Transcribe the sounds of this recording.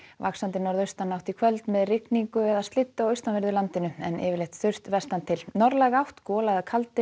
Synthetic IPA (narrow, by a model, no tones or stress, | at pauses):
va̰ksant̪ɪnɔɾðœst̪anːawht̪ikʰvœlt̪mɛðrɪkniŋkʏɛðast̪lɪt̪ːaɔwœɥst̪anvɪɾðʏlant̪ɪnʏɛnɪ̰ːvɪɾlejht̪θʏr̥t̪vɛst̪ant̪ʰɪlnɔɾlɛɣawht̪kɔːlaðɪkʰalt̪ɪ